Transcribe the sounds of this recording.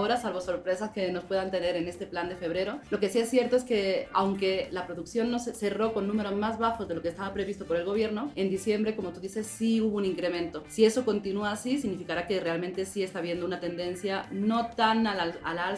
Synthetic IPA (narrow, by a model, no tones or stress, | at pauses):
oɾasalβo̞so̞ɾpɾe̞saske̞no̞spwe̞ðant̪e̞ne̞ɾe̞ne̞st̪epland̪e̞fe̞β̞ɾe̞ɾo̞lo̞ke̞sie̞sːje̞ɾt̪o̞e̞ske̞a̰wŋke̞lapɾo̞ðuksjo̞nːo̞sese̞ro̞ko̞nːũme̞ɾo̞zmazβaxo̞zðe̞lo̞kest̪aβapɾe̞β̞ist̪o̞po̞ɾe̞lɣo̞β̞je̞ɾno̞e̞nd̪isje̞mbɾe̞ko̞mo̞t̪uðise̞sːiuβouniŋkɾe̞mẽ̞nt̪o̞sie̞so̞ko̞nt̪inuaːsis̬iɣnifikaɾake̞re̞almẽ̞nt̪e̞sie̞st̪aβje̞nd̪o̞unat̪e̞nd̪e̞nsjano̞t̪analaa̰la